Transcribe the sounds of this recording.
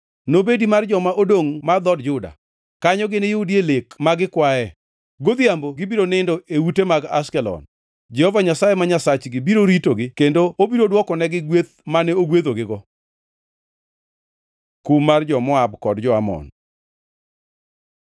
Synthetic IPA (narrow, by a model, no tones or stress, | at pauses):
nobedimard͡ʒɔmaʔodoŋmad̪ɔdd͡ʒʊda̰ | kaɲɔɡɪnɪjʊdjelekmaɡɪkwaɛ | ɡod̪jamboɡɪbiɾonɪndoʔeutemaɡaskɛlɔ̰n | d͡ʒɛhɔvaɲasajemaɲasat͡ʃɡɪbiɾoɾitoɡɪkendoobiɾodwɔkɔnɛɡɪɡwet̪manɛoɡwet̪oɡɪɡɔ | kumːard͡ʒɔmɔabkɔdd͡ʒɔamɔ̰n